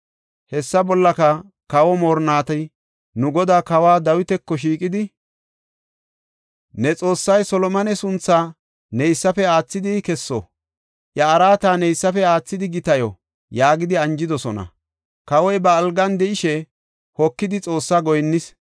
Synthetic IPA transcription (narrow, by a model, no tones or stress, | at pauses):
hɛsːɐbɔlːɐkɐ | kɐwɔmoːɾnaːt̪ɐj | nʊɡɔd̪aːkɐwaːd̪ɐwɪt̪ɛkːɔʃ̬iːkʼɪd̪ɪ | nɛt͡sʼo̞ːsːɐjsɔlɔmɐnɛsʊnt͡sːaː | nɛjsːɐfɛaːt͡sːɪd̪ɪkɛsːɔ̰ | ʔjɐːɾaːt̪aːnɛjsːɐfɛaːt͡sːɪd̪ɪɡɪt̪ɐjɔ | jaːɡɪd̪ɪɐnd͡ʒɪd̪ɔsɔnɐ̰ | kɐwɔjbɐːlɡɐnd̪ɛɪʃɛ | hɔkːɪd̪ɪt͡sʼo̞ːsːaɡɔjnːɪs